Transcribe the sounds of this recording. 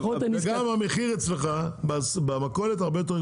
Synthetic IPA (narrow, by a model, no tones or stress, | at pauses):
oaniɡamameχiʁet͡sleχabsbamakolet̪̬aʁbejot̪̬eʁ